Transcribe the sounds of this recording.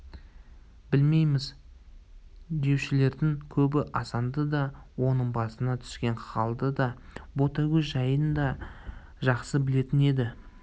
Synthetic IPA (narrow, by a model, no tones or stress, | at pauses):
b̥ɪlme̞jmɪz | d̪e̞wʃɪle̞ɾd̪ɪŋkʲʰɵbɪʔɑsɑnd̪əd̪ɑ | wo̞nəɴbɑsənɑt̪ʰʏ̥skʲe̞ɴχɑlˠd̪əd̪ɑbo̞t̪ɑɡʲeʒɑjənd̪ɑ | ʒɑqsəbɪle̞t̪ɪne̞d̪ɪ